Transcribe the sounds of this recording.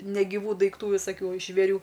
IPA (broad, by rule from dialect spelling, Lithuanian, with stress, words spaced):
nʲɛɡʲɪˈʋuː dɐɪkˈtuː ʋʲɪsɐˈkʲuː ʒʲʋʲeːˈrʲuː